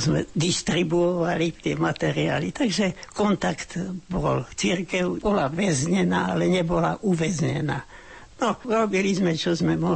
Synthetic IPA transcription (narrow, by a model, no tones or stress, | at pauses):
zmɛ̰d̪iʃt̪ɾibuɔʋalit̪ɪɛmat̪ɛɾia̰ːlit̪aɡʒɛkɔnt̪akt̪bɔ̰lt͡sirkɛʊbɔlaʋɛzɲɛnaːalɛɲɛbɔlaʔuʋɛzɲɛ̰naː | nɔuɾɔbilizmɛt͡ʃɔzmɛmɔ